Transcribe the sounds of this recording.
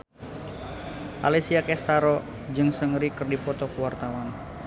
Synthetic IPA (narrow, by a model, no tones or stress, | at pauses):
ʔa̰lisiakɛst̪aɾɔ | d͡ʒɨŋsəŋɾikɨrdipɔt̪ɔkəwart̪awan